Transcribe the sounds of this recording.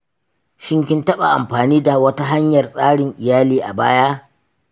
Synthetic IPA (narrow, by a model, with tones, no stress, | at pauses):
ʃɪ˦ŋk̬ʲɪ˦ntɐ˦ɓa˨ʔa̰˨mɸaː˨niː˦da˨wɐ˦ta˦ɦa˦ɲjɐ˨rsʼaː˦ɽɪ˨ŋʔɪ˨jaː˦liː˦ʔa̰˨baː˦ja˦